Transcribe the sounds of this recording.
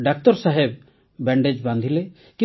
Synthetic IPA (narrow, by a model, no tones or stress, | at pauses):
ɖak̚t̪ɔɾsaɦeb̚ | bɛɳɖed͡ʒbãnd̪ʱile | kĩ